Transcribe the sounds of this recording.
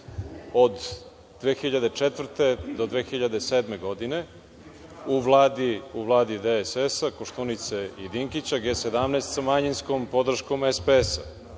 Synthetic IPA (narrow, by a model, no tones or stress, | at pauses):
o̞d̪ | d̪ʋeːxiʎad̪e̞t͡ʂet̪vr̩t̪e̞d̪o̞d̪ʋeːxiʎad̪eseːd̪me̞ɡo̞d̪ine̞ | uʋlˠaːd̪iuvlˠaːd̪id̪esesakoʃt̪unit̪seid̪iŋkit͡ɕaɡesed̪amneːst̪samaɲinskompo̞d̪r̩ʃko̞mespeesa̰